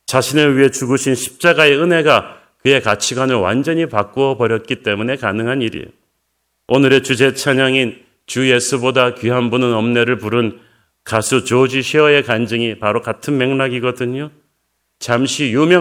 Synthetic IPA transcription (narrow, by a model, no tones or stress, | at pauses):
t͡ɕaɕʰinɯɭɥiɦe̞t͡ɕuɡuɕʰinɕʰi̥p̚t͡ɕ͈aɡae̞ɯne̞ɡa | kɯe̞kat͡ɕʰiɡwanɯɭwa̰nd͡ʑʌɲipak͈uʌpʌɾjʌt̚k͈it͈e̞mune̞kanɯŋɦaniɾḭo̰ | onɯɾe̞t͡ɕud͡ʑe̞t͡ɕʰaɲaŋin | t͡ɕuje̞sʰubodakɥiɦanbunɯnʌmne̞ɾɯɭpuɾɯn | kasʰut͡ɕod͡ʑiɕʰiʌe̞kand͡ʑɯŋipaɾokatʰɯnme̞ŋnaɡiɡʌdɯɲo | t͡ɕamɕʰijumjʌ